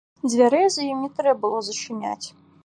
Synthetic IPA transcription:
d͡zʲvʲaɾɛzɐjimʲit̪ɾɛbɨlˠozɐʈ͡ʂʰɨnʲa̰tʲ

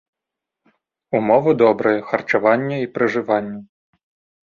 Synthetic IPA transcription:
umɔvɐd̪ɔbɾɐjɐxɐrt͡ʂavanʲːɐipɾɐʐɨvanʲːɐ

